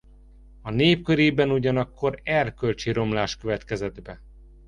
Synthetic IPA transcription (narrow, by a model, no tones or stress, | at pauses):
ɒneːp̚køɾeːbɛnuɟɒnɒkːo̞ɾɛrkølt͡ʃiɾo̞mlaːʃkø̞vɛt̪kɛzɛd̪bɛ